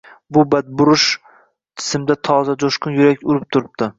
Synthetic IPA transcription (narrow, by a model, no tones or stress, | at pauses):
bʊbad̪̚bʊɾʊʃ | t̪ʰɪ̥sɪmd̪at̪ʰɒzad͡ʒ̪oʃkʊnjʊɾakʲʊɾɪp̚t̪ʰʊɾɪp̚d̪ɪ